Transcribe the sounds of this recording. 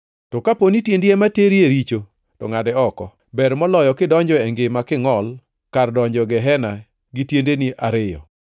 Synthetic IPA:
tɔkaponitjendiemateɾjeɾit͡ʃo | tɔ̰ŋadɛɔkɔ̰ | bɛɾmɔlɔjɔkɪdɔɲd͡ʒɔɛŋɡɪmakɪŋɔl | kardɔɲd͡ʒɔɡɛɦɛna | ɡitjendenɪʔaɾɪjɔ̰

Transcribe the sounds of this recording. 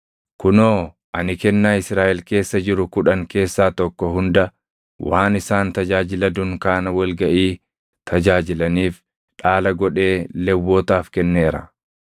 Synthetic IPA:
kʊnoː | ʔɐnɪkɛnːaːɪsɾaːʔɛlke̞ːsːɐd͡ʒɪɾʊkʊᶑɐŋke̞ːsːaːt̪ɔkːɔɦʊnd̪ɐ | waːnɪsaːnt̪ɐd͡ʒaːd͡ʒɪlɐd̪ʊŋkaːnɐwɐlɡɐʔiː | t̪ʰɐd͡ʒaːd͡ʒɪlɐniːf | ᶑaːlɐɡɔᶑe̞ːlɛwːoːt̪aːfkɛnːeːɾɐ

